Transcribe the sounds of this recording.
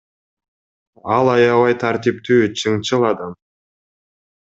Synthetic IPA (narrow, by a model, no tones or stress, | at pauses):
ɑlˠɑjɑβɑjt̪ʰaɾt̪ipt̪yːt͡ʃʰɯŋt͡ʃɯlˠɑd̪ɑm